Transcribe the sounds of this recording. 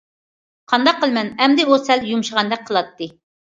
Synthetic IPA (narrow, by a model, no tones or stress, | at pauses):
qʰɑnd̪ɑqʰːəlˠmɛnɛmd̪ɪusɛljumʃəʁɑnd̪ɛk̚ʲqʰəlˠɑt̪ːɨ